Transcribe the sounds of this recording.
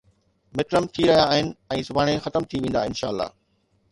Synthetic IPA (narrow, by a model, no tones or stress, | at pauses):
mɪkɾəmt̪ʰiɾɐɦijaːɦɪnɪ̆ɛ̃ːsʊbʱaːɽ̃exɐt̪əmt̪ʰiʋẽːn̆d̪aɪnʃa̰ːəlːa̰ː